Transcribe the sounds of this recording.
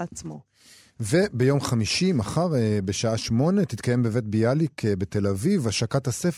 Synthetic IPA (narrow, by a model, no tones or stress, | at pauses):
at͡smo | ve̞bejo̞mχamiʃimaχaʁebeʃaaʃmo̞ne̞t̪it̪kaje̞mbevetbialikʰbe̞t̪e̞lavivaʃakathasef